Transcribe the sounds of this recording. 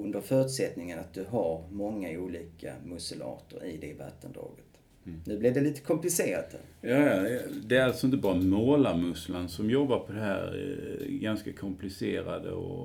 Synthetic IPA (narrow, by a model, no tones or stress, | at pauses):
ɵnd̪əɾfœːɾʉt̪sɛt̪nɪŋənat̪̚d̪ɵɦaɾmɔŋːauːliːkʰa̰mɵsəlɑ̰ːt̪əɾɪd̪ɛva̰t̪ːənd̪ɾɑ̰ːɡət̪ | nʉ̟ːblɛvd̪ɛliːt̪ə̥kʰɔmplɪseːɾa̰t̪hæ̰ɾjɑːjɑd̪ɛalsɔɪnt̪əbɑːɾamoːlaɾmɵslənsɔmjɔbaɾpʰɔd̪ɛhæ̰ːɾɡanskakʰɔmplɪseːɾa̰d̪ə̰ɔ̰